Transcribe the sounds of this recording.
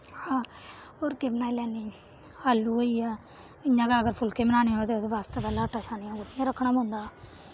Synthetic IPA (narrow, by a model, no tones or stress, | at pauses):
hãː | oɾkeːmnaːilɛːniː | haːlːuːoːiːaː | ɪjãːkaːəɡəɾpʰʊlkeːmənaːniːɦoːt̪eːt̪eːʋaːst̪eːpɛːlãːəʈaːʃaːnijãːɡʊʈːɪjãːɾəkʰːɳaːbõːnd̪aː